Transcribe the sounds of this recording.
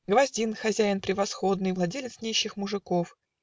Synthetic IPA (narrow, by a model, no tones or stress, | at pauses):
ɡvɐzʲdʲinxɐzʲæɪnpɾʲɪvɐsxo̞d̪nɨjvlˠɐdʲelʲɪt̪snʲeɕːɪxmʊʐɨkof